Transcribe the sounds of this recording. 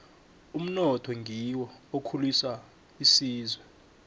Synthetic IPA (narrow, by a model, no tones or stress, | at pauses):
um̩nɔtʰɔŋɡʱiwɔokʰulisa | isiːzwɛ